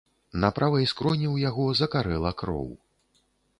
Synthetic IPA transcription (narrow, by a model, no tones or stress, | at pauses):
napɾʔavɐjskɾɔnʲiwjaɣɔzɐkaɾɛlˠɐkɾɔ̰w